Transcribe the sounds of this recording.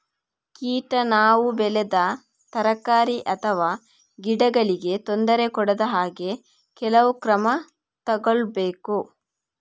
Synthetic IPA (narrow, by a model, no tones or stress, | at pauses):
kiːʈɐnaːʋubɛled̪ɐ | t̪ɐɾɐkːaːɾiʔɐt̪ʰɐʋaː | ɡiɖɐɡɐɭiɡe̞t̪ond̪ɐɾe̞kɔɽɐd̪ɐɦaːɡe̞ | kɛlɐʋukɾɐmɐ | t̪ɐɡoɭbeːku